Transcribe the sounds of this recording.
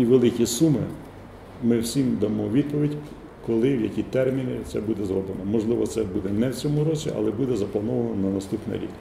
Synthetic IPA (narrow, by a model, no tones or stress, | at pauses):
iʋelˠɪkʲisumɪ̰ | mɪwsʲimd̪ɐmɔʋʲid̪̚pɔʋʲidʲ | kɔlˠɪwjɐkʲit̪ɛrmʲinʲit̪sɛbud̪ɛzɾɔblɪnɔmɔʒlˠɪʋɔt̪sɛbud̪ɛnɛwt͡sʲɔmʊɾɔt͡ʃʲiʔɐ̰lˠɛbud̪ɛzɐplˠɐnɔʋɐnɔnɐnɐst̪upnɪ̰ɾʲḭk